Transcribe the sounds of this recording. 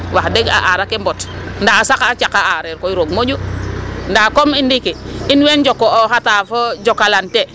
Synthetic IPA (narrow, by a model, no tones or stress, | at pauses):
wahdeɡa̰ʔaɾakembotndaːsakat͡ʃakaaɾeɾkoiɾoɡmod͡ʒundaːkomindikiinwend͡ʒokːoohatafod͡ʒokalante